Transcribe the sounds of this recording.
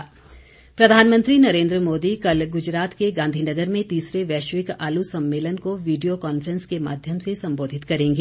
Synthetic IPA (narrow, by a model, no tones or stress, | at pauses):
pɾɐd̪ʱaːnmə̃nt̪ɾinɐɾẽːnd̪ɾəmoːd̪ikɐlɡʊd͡ʒɾaːt̪keɡãːnd̪ʱinɐɡəɾmẽt̪iːsɾeʋɛːʃʋɪkaːlusɐ̃mːeːlənkoʋiːɖijokɔːnfəɾə̃nskema̰ːd̪ʱjəmsesɐ̃mboːd̪ʱɪt̪kɐɾẽːŋɡeː